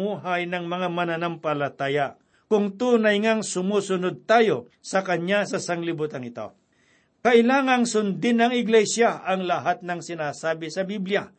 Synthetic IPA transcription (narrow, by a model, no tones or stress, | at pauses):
uːɦajnɐŋmɐŋamɐnanampɐlɐt̪aːja | kʊŋt̪uːnɐjŋaŋsʊmuːsʊnod̪̚t̪aːjo | sɐkɐɲasɐsɐŋlɪbʊt̪ɐŋɪt̪o̰ | kɐʔɪlaːŋɐŋsʊnd̪ɪnɐŋɪɡlɛjsjaʔɐŋlɐɦat̪̚nɐŋsɪnaːsaːbɪsɐbiblja